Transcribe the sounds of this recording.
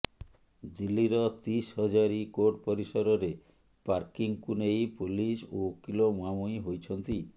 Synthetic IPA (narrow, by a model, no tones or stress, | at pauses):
d̪ilːiɾɔt̪ishɔd͡ʒaɾikoɾʈpɔɾisɔɾɔɾe | paɾkiŋkunejpulisokilomuamujɦojt͡ʃʰɔnt̪i